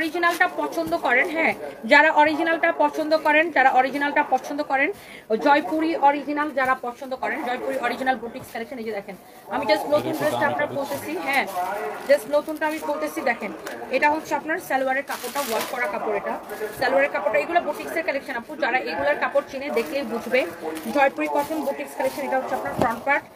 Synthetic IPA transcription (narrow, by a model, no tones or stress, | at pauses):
ɔɾid͡ʑinalʈapɔɾt͡ʃʰond̪okɔɾenɦɛ̃d͡ʑaɾaʔɔɾid͡ʑinalʈapɔɾt͡ɕʰond̪okɔɾentaɾaʔɔɾid͡ʑinalʈapɔɾt͡ʃʰond̪okɔɾen | d͡ʑɔjpuɾiʔɔɾid͡ʑinald͡ʒaɾapɔɾt͡ʃʰond̪okɔɾend͡ʑɔjpuɾiʔɔɾid͡ʑinalbuʈiŋskɛlekʃanid͡ʑid̪ɛkʰen | amid͡ʑasʈnot̪unʈɾesʈaapnaɾbolt̪et͡ɕʰiɦɛ̃d͡ʑasʈnot̪unʈaamibolt̪et͡ɕʰid̪ɛkʰeneʈaɦot̪ːʃʰeapnaɾsɛluaɾeɾkapoɾʈawaɾkːɔɾakapoɾeʈasɛluaɾeɾkapoɾʈaeɡulabuʈiŋseɾkɛlekʃanapud͡ʑaɾaeɡulaɾkapoɾt͡ɕined̪ekʰlejbud͡ʑʱbed͡ʑɔjpuɾikɔt̪ʰenbuʈikskalekʃʰaneʈaɦot̪ːʃʰeapnaɾfɾɔɳʈ̚paɾʈ